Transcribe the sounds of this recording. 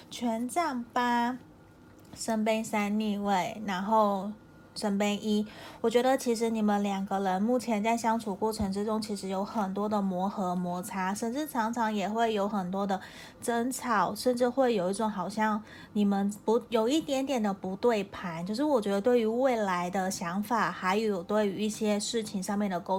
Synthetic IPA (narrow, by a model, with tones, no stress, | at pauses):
t͡ɕʰɥɛ˧˥nʈ͡ʂa˥˩ŋpa˥ | ʂə˥np̬e˥ɪsa˥nni˥˧we˥˩ɪɻa˧˥nxo˥˩ʊ | ʂə˥npe˥ɪʔi˥wɔ˨˩t͡ɕɥɛ˧˥d̪ə˧t͡ɕʰi˧˥ʂ̬ɻ̩˧˥ni˨˩mə˧˦nljɑ˨˩ŋɡə˧˦ɻə˧˥nmu˥˩t͡ɕʰjɛ˧˥nt͡sa˥˩ɪɕjɑ˥ŋʈ͡ʂʰu˨˩kwɔ˥˩ʈ͡ʂʰɤ˧˥ŋʈ͡ʂɻ̩˥ʈ͡ʂʊ˥ŋt͡ɕʰi˧˥ʂɻ̩˧˥jo˧˥ʊxə˨˩nt̪wɔ˥d̪ə˨mwɔ˧˥xɤ˧˥mwɔ˧˥t͡sʰa˥ʂə˥˧nʈ͡ʂɻ̩˥˩ʈ͡ʂʰɑ˧˥ŋʈ͡ʂʰɑ˧˥ŋjɛ˨˩xwe˥˩ɪjo˧˥ʊxə˨˩nt̪wɔ˥d̪ə˨ | ʈ͡ʂə˥nt͡sʰɑ˨˩ʊʂə˥˧nʈ͡ʂɻ̩˥˧xwe˥˩ɪjo˨˩ʊi˥˩ʈ͡ʂʊ˨˧˩ŋxɑ˨˩ʊɕjɑ˥˩ŋ | ni˨˩mə˦npu˧˥jo˨˩ʊi˥˩t̪jɛ˧˥nt̪jɛ˨˩nd̪ə˦pu˧˥t̪we˥˩ɪpʰa˧˥nt͡ɕjo˥˧ʊʂ̬ɻ̩˥˩wɔ˨˩t͡ɕɥɛ˧˥d̪ə˧t̪we˥˩ɪy˧˥we˥˩ɪla˧˥ɪd̪ə˧ɕjɑ˧˥ŋfa˨˩xa˧˥ɪjo˧˥jo˨˩t̪we˥˩ɪy˧i˥˩ɕjɛ˥ʂɻ̩˥˩t͡ɕʰi˧˥ŋʂɑ˥˧ŋmjɛ˥˩nd̪ə˩ko˥ʊ